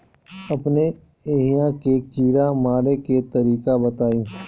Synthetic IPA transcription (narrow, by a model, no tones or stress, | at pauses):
ɐpne | eːɦijãkekiːɾamaːɽeket̪ɐɾiːkabɐt̪aːjũː